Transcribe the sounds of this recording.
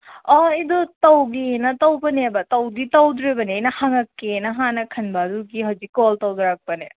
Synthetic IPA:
ɐidɔtɐwɡinɐtɐwbɐnebɐtɐwɡitɐwd̪ɾebɐniɐjnɐhaŋɐkːenɐɦanɐkʰɐnbɐːd̪uɡiɦɐwzikːoltɐwd̪ɾak̚pɐnḛ

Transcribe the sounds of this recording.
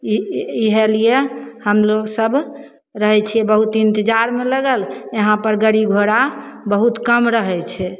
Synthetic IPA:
iiɦelijehəmloɡsəb | ɾəɦɛt͡ʃʰijɛbəɦut̪int̪əd͡ʒaɾmeləɡəleɦãpəɾɡəɾiɡʱoɽabəɦut̪kəmɾəɦɛt͡ʃʰɛ

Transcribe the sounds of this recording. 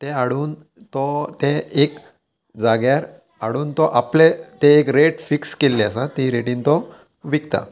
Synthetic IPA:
t̪eaɽuːn | t̪ɔt̪eek | d͡zaɡjaɾ | aɽuːnt̪ɔʔaplet̪eːkɾeʈfikskelːeasat̪ĩɾeʈĩːnt̪ɔ | ʋikt̪a̰

